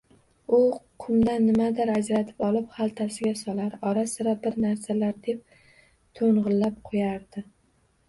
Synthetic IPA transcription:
ʊqʰʊmd̪anːɪmad̪aɾad͡ʒɾat̪ʰɪ̥pɒlˠɪphalˠt̪ʰasɪɡʲasɒlaɾɒɾasɪɾabɪɾnaɾsalaɾd̪e̞p̚ | t̪ʰoɴʁɨlːap̚qʰojaɾd̪ɪ

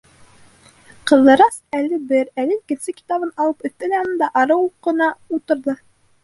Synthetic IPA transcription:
qɤ̆ðɤ̆ɾɑsælɘbɘɾælɘikɘ̆nsɘki̥t̪ɑβɤnɑlˠɤpɵ̆t̪ːɘlæɑnɤnd̪ɑʔɑɾɤwuqːɤ̆nɑut̪ɤ̆ɾðɤ

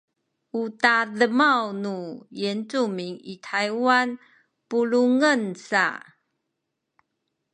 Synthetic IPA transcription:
utaðəmawnujɛnʈ͡ʂumiŋḭtʰajwan | puluŋənsa̰

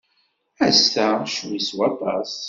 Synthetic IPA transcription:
æstæʃwiswɑt̪ˤɑs

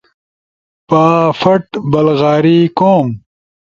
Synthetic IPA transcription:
paːfɐʈbɐlɣaːɾiːkoːm

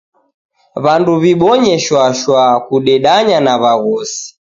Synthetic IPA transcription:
βanduβiɓɔɲɛʃwaʃwakuɗɛɗaɲanaβaɣɔsi̥

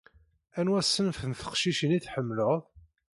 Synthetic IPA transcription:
ænwæsːənfənθə̥qʃiʃəniθħəmːləʁðˤ

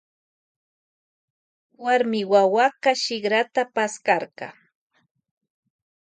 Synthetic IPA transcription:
waɾmɪwawakaʃɪɢɾat̪apaskɑɾkɑ̰

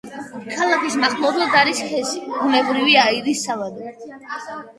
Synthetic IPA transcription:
kʰalˠakismaχlˠɔbad̪aɾisχɛsibunɛbɾiviaiɾisːavad̪ɛ

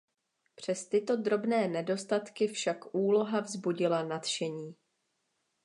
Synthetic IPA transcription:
pr̝̥ɛst̪ɪt̪o̞dɾo̞bnɛːnɛdo̞st̪at̪kɪfʃakʔuːlo̞ɦavzbuɟɪlanat̪ʃɛɲiː

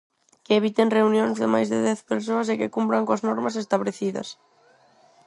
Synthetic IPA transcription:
keːβ̞it̪enreunjonzðɪmajzðɪ̰ðɛθpeɾs̬oɐs̬ekɪkumbɾaŋkoɐznɔɾmɐsest̪aβɾeθiðɐ̰s

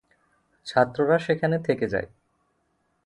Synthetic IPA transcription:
t͡ɕʰat̪ːɾoɾaʃekʰanet̪ʰeked͡ʑa̰e

